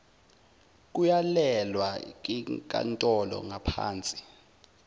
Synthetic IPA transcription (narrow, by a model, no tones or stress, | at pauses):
k̬ʼujalɛlwak̬ʼikʼa̰ntʼɔlɔ̰ŋapʰa̰ːnt͡sʼi̥